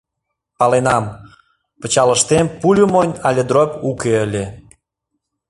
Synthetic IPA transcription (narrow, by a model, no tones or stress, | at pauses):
pɑlenɑm | pə̆t͡ɕɑlə̆ʃt̪empulʲumonʲɑlʲed̪ɾopukeəlʲe